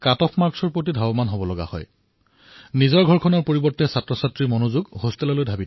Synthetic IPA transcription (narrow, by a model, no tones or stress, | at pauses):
katɔpʰmaɹksɔɹpotidʱabɔmanɦobɔlɔɡa̰hɔ̰j | nizɔɹɡʱɔɹkʰɔnɔɹpoɹibɔɹtːɛsatɹɔsatɹimonuzuɡhostɛlɔlojdʱabit